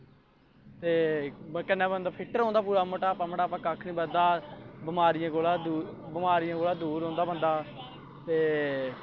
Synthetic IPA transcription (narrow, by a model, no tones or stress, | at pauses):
t̪eːkənːaːbənd̪aːpʰɪʈəɾõːnd̪aːpuːɾaːmoːʈaːpãməɳaːpãːkakʰnĩːbəd̪aːbəmaːɾɪjãːkoːlaːd̪uːbəmaːɾɪjãːkoːlaːd̪uːɾõːnd̪aːbənd̪aː | t̪eː